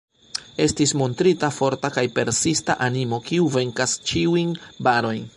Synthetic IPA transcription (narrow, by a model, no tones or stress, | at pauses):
e̞stismo̞ntɾitafo̞ɾtakajpe̞ɾsista̰ʔanimo̞kiuve̞ŋkast͡ʃiujnbaɾo̞jn